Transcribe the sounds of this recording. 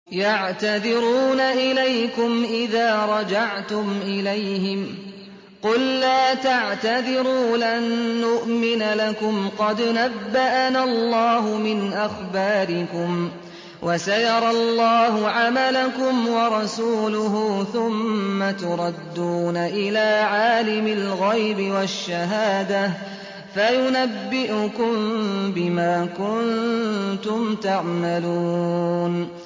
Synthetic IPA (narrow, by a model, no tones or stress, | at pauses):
jaʕt̪aðɪɾuːnaʔɪlajkʊmʔɪðaːɾˤɑd͡ʒaʕt̪ʊmʔɪlajhɪm | qʊlːaːt̪aʕt̪aðɪɾuːlʔanːʊʔmɪnlakʊmqɑd̪nabːaʔanalːɑːɦʊmɪnʔaxbaːɾɪkʊm | wʔasajɑɾˤɑlːɑːɦʊʕamalakʊmwɑɾˤɑsuːlʊɦuːθʊmːat̪ʊɾˤɑd̪ːuːnaʔɪlaːʕaːlɪmɪlɣajbɪwaʃːaɦaːd̪a | fajʊnabːɪʔʊkʊmmbɪmaːkʊnt̪ʊmt̪aʕmaluːn